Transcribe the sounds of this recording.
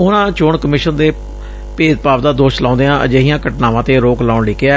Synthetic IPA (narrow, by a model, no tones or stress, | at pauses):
ʊnãːt͡ʃoːɳkəmɪːʃənd̪eː | peːd̪̚paːʋd̪aːd̪oːʃlãːnd̪eːãːəd͡ʒeːɦijãːkəʈnaːʋãːt̪eːɾoːklãːʊɳleːkeaː